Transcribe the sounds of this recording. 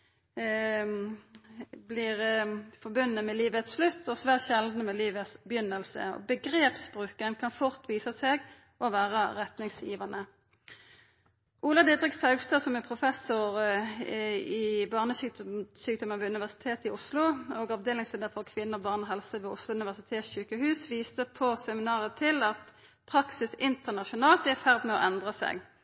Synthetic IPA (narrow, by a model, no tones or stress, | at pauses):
blɪʁfɔbʉnːəmɛliːʋəɛt̪slʉt̪ʰːɔsʋæːʁt̪ʃɛld̪nəmɛliːʋəbɪjʏnːəlsə̰ɔ̰bəɡʁeːpsbʁʉːkənkʰɑnfʊʁt̪ʰʋiːsəseɡ | ʔɔʋæːʁəʁɛt̪nɪŋsjiːʋɑnə | ʔuːlɑd̪ɛd̪ʁɪksɑʉɡst̪ɑːsɔmɛpʰʁʊfɛsʊʁ | ɪbɑːʁnəsyːksyːk̚d̪ɔmənʋɛːʉnɪʋæʁsɪ̥t̪ʰeːt̪ɪʊslʊɔɡɑʋd̪eːlɪŋsleːd̪əʁfɔʁkʰʋɪnːəɔbɑːʁnɔɦɛlsəʋɛːʊslʊʉnɪʋæʁsɪt̪ʰeːt̪sɕʉːkəhʉːsʋiːst̪əpʰɔsɛmɪnɑːʁət̪ʰɪlɑt̪ | pʰʁɑksɪsɪnt̪əʁnɑʃʊnɑːlt̪æfæʁd̪mɛɔ̰ʔɛnd̪ʁɑsɛ̰ɡ